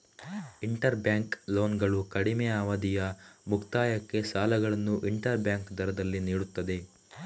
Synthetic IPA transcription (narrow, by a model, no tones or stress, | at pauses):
iɳʈɐɾbjaːŋklo̞ːnɡɐɭukɐɽimeaːʋɐd̪ijɐmukt̪aːjɐkːe̞saːlɐɡɐɭɐnːuʔiɳʈɐɾbjaːŋkd̪ʱɐɾɐd̪ɐlːiniːɽut̪ːɐd̪e̞